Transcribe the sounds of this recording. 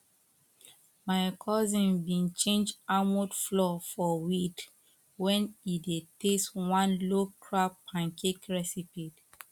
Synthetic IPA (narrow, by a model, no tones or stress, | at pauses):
maɪkʰɔzĩnbĩnt͡ʃẽnd͡ʒamudflɔfɔwit | wɛ̃nideteswãnlokʰɹapʰãŋkekɹɛsipit